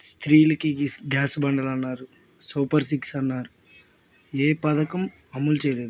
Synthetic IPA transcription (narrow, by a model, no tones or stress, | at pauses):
st̪ɾiːlɐkiɡaːsubɐɳɖɐlɐnːaːɾu | suːpɐɾs̬iksɐnːaːɾu | eːpɐd̪ɐkɐmɐmːult͡ʃɛːjɐle̞ːd̪u